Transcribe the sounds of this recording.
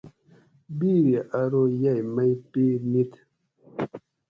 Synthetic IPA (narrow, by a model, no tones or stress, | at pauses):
biɾjeʔaɾojajmajpinit